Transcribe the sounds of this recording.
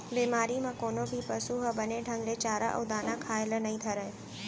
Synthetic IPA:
biːmaːɾimãkoːnobʱipɐsuːɦbɐneɖʱɐ̃ŋɡlet͡ɕaːɾa̰ʔʊd̪aːnãkʰaːɪlənɐĩt̪ʰɐɾəɦe

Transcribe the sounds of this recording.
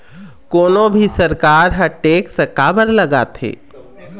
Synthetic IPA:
koːnõbʱisɐɾkaːɾɦɐʈeːksɐkaːbəɾlɐɡa̰ːt̪ʰḛː

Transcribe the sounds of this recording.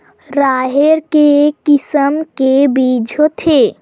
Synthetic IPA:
ɾaːɦeɾkekɪsəmkebiːd͡ʒʱot̪ʰe

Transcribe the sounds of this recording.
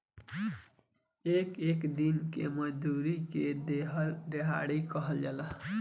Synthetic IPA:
ekekd̪inkeməd͡ʒd̪uɾiked̪eɦəlɾeɦa̰ɽikəɦəld͡ʒala

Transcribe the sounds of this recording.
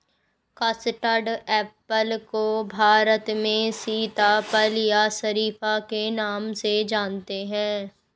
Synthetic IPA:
kəsʈəɖɛːpəlkobʱaːɾət̪mẽsiːt̪apəljasɐɾiːfakenaːmsed͡ʒaːnt̪eɦɛ̃ː

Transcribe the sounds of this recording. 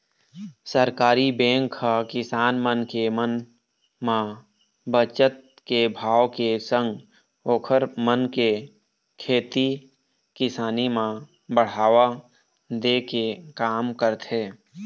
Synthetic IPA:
səɾkaːɾibẽːŋkʰːakɪsaːnmənkemən | mã | bət͡ʃət̪̚ | kebʱaːʋkesə̃ŋɡ | oːkʰəɾmənke | kʰeːt̪i | kɪsaːnimã | bəɽ̤aːʋa | d̪eːkekaːmkəɾt̪ɦeː

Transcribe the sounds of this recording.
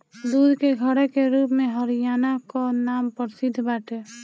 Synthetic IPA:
d̪ud̪ʱkeɡʱəɾɛkeɾupmeɦəɾijanakɔnampəɾsɪd̪ʱːbaʈe

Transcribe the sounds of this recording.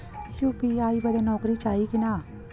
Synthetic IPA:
jupiaːibɐd̪anɔːkɾit͡ʃaːikinaː

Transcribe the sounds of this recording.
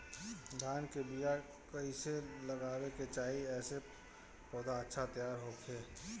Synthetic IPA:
d̪ʱaːnkebija | kɐiselɐɡaːweket͡ʃaːɦiɛːse | pɔːd̪aətːʃʰat̪əjaːɾɦoːkʰeː

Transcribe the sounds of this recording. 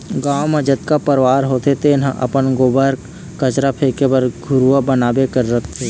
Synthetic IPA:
ɡaːwmẽd͡ʒət̪kapəɾʋaːɾɦot̪ʰet̪enɦãʔɐ̰pənɡoːbəɾ | kət͡ʃɾapʰekebəɾɡʱʊɾuabənaːbekəɾːəkʰt̪ʰe

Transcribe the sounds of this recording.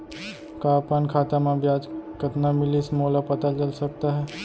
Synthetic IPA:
kaːpənkʰaːt̪amãbjaːd͡ʒkət̪namɪlismoːlapɐt̪at͡ʃɐlsɐk̚t̪aɦɛː

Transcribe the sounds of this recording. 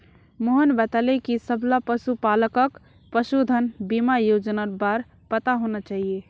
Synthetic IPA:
moɦənbat̪alekisəbʱlapəsupaləkək | pəsud̪ʱənbimajod͡ʒnaɾbaɾ | pət̪aɦonət͡ʃaɦije

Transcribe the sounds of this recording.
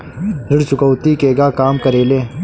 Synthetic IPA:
ɾɪɽt͡ʃʊkəwt̪ikeːɡaːkaːmkɐɾeːleː

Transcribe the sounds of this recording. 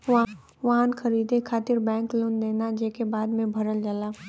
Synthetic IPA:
ʋaɦãnkɐɾiːd̪ekʰaːt̪ɪɾbɛ̃ːŋklʊ̃nd̪eːnad͡ʒeːkebaːd̪mẽbʱɐɾəld͡ʒalaː

